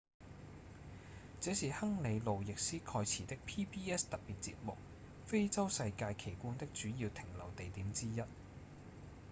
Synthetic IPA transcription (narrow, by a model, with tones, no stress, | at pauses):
t͡sɛː˨˥siː˨˩hɐ˥ŋle˨˧jlo˨wjɪ˨k̚siː˥kʰɔː˧jt͡sʰiː˨˩t̪ɪ˥k̚pʰiː˥pʰiː˥ɛ˥st̪ɐ˨piː˨t̚t͡sḭː˧p̚mʊ̰˨k̚ | fe˥jt͡sɐ˥wsɐ˧jkaː˧jkʰe˨˩jkuː˥nt̪ɪ˥k̚t͡ʃyː˨˥jiː˧wt̪ʰɪ˨˩ŋlɐ˨˩wt̪e˨jt̪iː˨˥mt͡siː˥jɐ˥t̚